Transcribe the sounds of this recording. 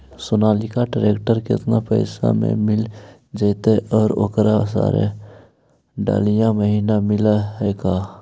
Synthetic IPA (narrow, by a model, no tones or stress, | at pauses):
sʊnaːlikaɖəɾeːkʈəɾkɪ̰t̪napɛɪsa̰mḛ̃mɪl | d͡ʒəːt̪eʔɔːɾoːkɾas̬a̰ːɾḛ | ɖa̰ːlijãməɦiːnamɪlaɦɛːɡaː